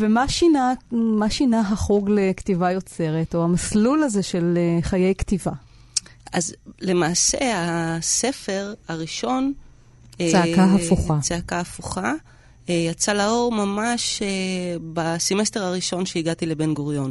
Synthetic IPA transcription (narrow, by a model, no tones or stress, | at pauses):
vemaʃinamaʃinaɦaχuɡlekt̪ivajo̞t͡se̞ʁeto̞amaslulazeʃe̞leχaje̞jktiva | azle̞maːseasefe̞ʁaʁiʃo̞n | eeakaɦafuχat͡seakaːfuχa | jat͡salao̞ʁmamaʃebasimesteʁaʁiʃo̞nʃeiɡat̪ilebenɡoʁjo̞n